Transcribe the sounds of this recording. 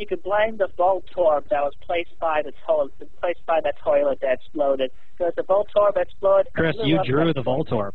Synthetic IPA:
jɨkɨd̚blãɪ̃mðəvɔlˠtʰɔɹb̚ðɨt̚wʌz̥pʰl̥eɪsb̥aɪðɨtʰɔɪlɨpʰl̥eɪs̚b̥aɪðɨtʰɔɪlˠət̪̚ðɨɨksploʊɾɨd̚ | ɡozðəbolˠtʰɔɹbɨksploʊd̚kʰɹ̥ɪsjɨdɹʉðəvɔlˠtʰɔ̰ɹb

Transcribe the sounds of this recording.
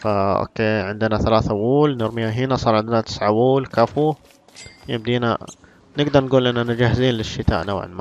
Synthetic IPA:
faʔo̰keːʕɪnd̪ɪnaθalaːθʔawuːlnɪɾmɪjaɦɪnasˤɑːɾˤʕɪnd̪ɪnat̪ɪ̥sʕawuːlkafu | jɪb̚d̪iːna̰ | nɪɡd̪ɑɾˤnɡuːlʔɪnːanad͡ʒahɪziːnlɪʃːɪt̪a̰ːʔnawʕɪ̰lma̰

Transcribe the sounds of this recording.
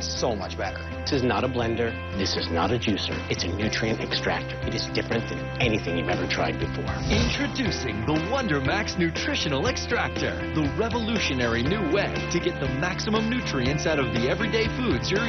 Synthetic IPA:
soʊmʌ̰t͡ʃb̥ɛɾə̰˞ðɪsɨznəɾəblɛ̃ndə˞ | ðɪsɨznə̰ɾɨd͡ʒʉsə̰˞ɨtsɨnʉtʰɹ̥iɨ̃ntɛkstɹ̥æk̚tə˞ɨɾɨzdɪfɹɨ̃nðɨ̃n | ɛniθɪ̃ŋjʉvɛvə˞tʰɹ̥a̰ɪd̚bɨfɔ̰ɹɪ̃ntʰɹ̥ɨdʉsɪ̃ŋðəwʌ̃ndə˞mæksnʉtʰɹ̥ɪʃɨ̃nl̩ˠɨkstɹ̥æk̚tə̰˞ðəɹɛvəlʉʃɨnɛɹinʉweɪɾɨɡɛt̪̚ðəmæksəmə̃mnʉtʰɹ̥iɨ̃ntsaʊɾʌvðiɛvɹideɪfudzjə˞

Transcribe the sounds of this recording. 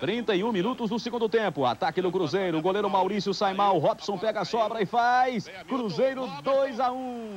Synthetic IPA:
t̪ɾĩnt̪ɐiũminut̪ʊznʊsɪɡũnd̪ʊt̪ẽpʊa̰t̪akɪnʊkɾuzejɾʊɡolejɾʊmawɾisjʊsajmawɦɔpsõw̃pɛɡɐasɔbɾɐɪfajs | kɾuzejɾʊd̪ojzaũ

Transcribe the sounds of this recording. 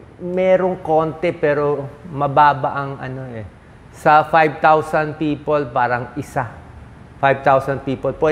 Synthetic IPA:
mɛːɾoŋko̞ːnt̪ɛpɛːɾomɐbaːbɐʔɐŋɐ̰no̞ʔɛ | sɐfajb̚t̪awsɐnd̪̚piːpolpaːɾɐŋʔɪsa | fajb̚t̪awsɐnd̪̚piːpolpwɛ

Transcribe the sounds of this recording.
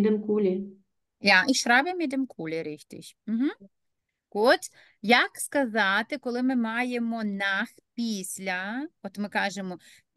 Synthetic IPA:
d̪ɛmkulʲi | jaʔiʃɾɑbʲemid̪emkʰulʲɪɾɪxt̪ʲɪ̰ʃʲm̩ɦ̩ | kɔt̪ | jɐkskɐzɑt̪ɪkɔlˠɪmɪmɑjemɔnaxpʲisʲlʲɐɔt̪mɪkɑʒemɔ

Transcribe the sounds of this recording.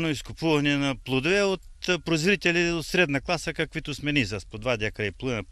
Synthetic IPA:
noiskʊpuvɐnɛnɐplˠod̪ovɛot̪pɾozɾɾit̪ɛliot̪sɾɛd̪nɐklˠasəkɐkvit̪ʊsmɛnizaspod̪vad̪ʲakɐiplˠuvn

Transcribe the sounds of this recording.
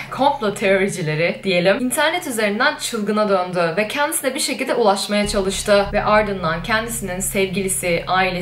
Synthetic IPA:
kʰõ̞mplˠot̪ʰe̞ɾo̞ɾid͡ʒilʲe̞ɾɪd̪̥ije̞lʲimint̪ʰæɾnɛt̪yze̞ɾind̪ænt͡ʃʰɯlˠɡɯnad̪ønd̪yvɛcʰɛnd̪isinɛbiɾʃecilʲd̪ɛulˠaʃmajat͡ʃʰalˠɯʃt̪ʰɯvɛʔaɾd̪ɯnd̪ancʰɛnd̪isininsɛvɟilʲisɪʔaːilʲe

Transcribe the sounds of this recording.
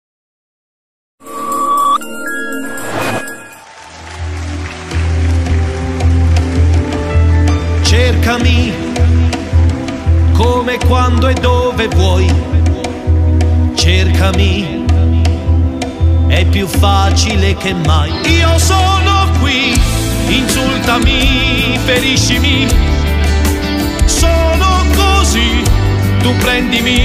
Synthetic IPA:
t͡ʃerkami | koːmekːwand̪oɛd̪ːoːvevwɔj | t͡ʃerkami | ɛpːjufːat͡ʃilek̟emːajiːosonokwi | insult̪ami | feɾiʃːimi | sonokozi | t̪upːɾɛnd̪imi

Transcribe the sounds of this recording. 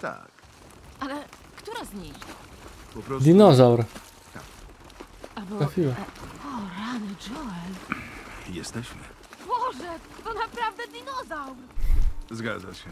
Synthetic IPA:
t̪a̰k | alɛ | kt̪uɾazɲid̪ɔpɔpɾɔd̪ʲinɔzawɾ | t̪a̰k | abɔafʲiwaɔɾanɨd͡ʒɔɛl | jɛst̪ɛɕmɘ̰ | bɔʐɛ | t̪ɔnapɾavd̪ɛd̪ʲinɔzawɾzɡa̰d̪za̰ɕɛ

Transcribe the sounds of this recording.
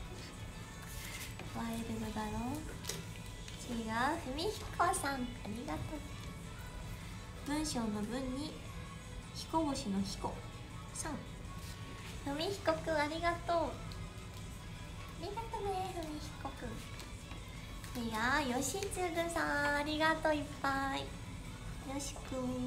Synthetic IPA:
βaeɾɯɡɯb̪aɾõŋ | t͡ɕiɡaɸɯ̟mʲiçi̥kʰosãŋaɾʲiɡat̪o | b̥ɯ̟̃ɰ̃ɕo̞ːno̞bɯ̟̃ɲ̟ːi | çi̥ko̞ɡo̞ɕino̞çi̥ko | sãŋ | hɯ̟mʲiçi̥ko̞kɯ̟aɾʲiɡat̪oː | aɾʲiɡat̪omehɯ̟mʲiçi̥kokɯ̟ | t͡ɕiɡajo̞ɕit͡sɨbɯ̟sãaɾʲiɡat̪o̞ipːai | joɕi̥kɯ

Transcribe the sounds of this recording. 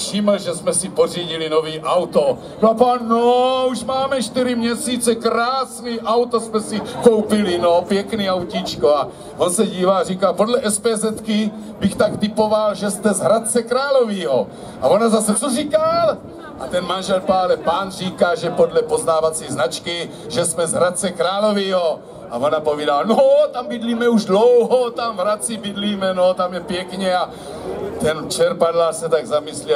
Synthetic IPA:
fʃɪml̩ʒɛsmɛsiporiːɟilinoviːʔawt̪o | napaːnːouʃmaːmɛʃt̪iɾimɲɛsiːt͡sɛkɾaːsniːʔawt̪osmɛsikowpɪlinopjɛkniːawcit͡ʃkoa | ʔonsɛɟiːvarikaːpo̞d̪lɛʔɛspɛːzɛt̪ki | bixt̪akt̪ɪpovalʒɛst̪ɛzɦɾat̪̚t͡sɛkɾaːloviːɦo̰ | ʔa̰vonazasɛt͡sorikal | ʔa̰t̪ɛnmanʒɛlpaːlɛpaːnriːkaːʒɛpodlɛpo̞znaːvat͡siːznat͡ʃkɪ | ʒɛsmɛzɦɾat̪̚t͡sɛkɾaːlo̞viːɦo̞ | ʔavonapoviːdalnot̪ambɪdliːmɛuʒdlowɦot̪amɦɾat͡sibɪdliːmɛnot̪amjɛpjɛkɲɛa | t̪ɛnt͡ʃɛɾpadlasɛt̪aɡzamɪsli

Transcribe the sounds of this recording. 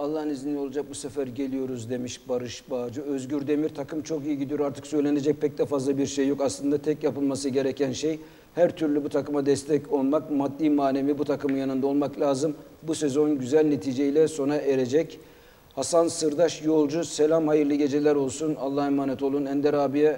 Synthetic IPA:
alˠːaɦɯnizinːʲio̞lˠad͡ʒak̚busefæɾɟe̞lʲijo̞ɾuzd̪e̞miʃbaɾɯʃbaːd͡ʒɯø̞zɟyɾd̪e̞miɾt̪ʰakɯmt͡ʃʰo̞kijiɟid̪ijoɾaɾt̪ʰɯ̥ksø̞jlʲe̞ne̞d͡ʒɛc̚pʰɛc̚d̪ɛfazlˠabiɾʃejːo̞kaslˠɯnd̪at̪ʰɛcjapɯlˠmasɯɟe̞ɾecʰænʃej | hæɾt̪ʰyɾlʲybut̪ʰakɯmad̪ɛst̪ʰɛco̞lˠmakmad̪ːiːmaːne̞mibut̪ʰakɯmɯnjanɯnd̪ao̞lˠmaklʲaːzɯm | buse̞zo̞nɟyzælʲne̞t̪ʰiːd͡ʒe̞ilʲɛso̞naʔe̞ɾe̞d͡ʒɛc | hasansɯɾd̪aʃjo̞lˠd͡ʒuse̞lʲamhajɯɾlˠɯɟe̞d͡ʒe̞lʲæɾo̞lˠsunalˠːahɛmaːnɛt̪ʰo̞lˠunænd̪ɛɾaːbijɛ

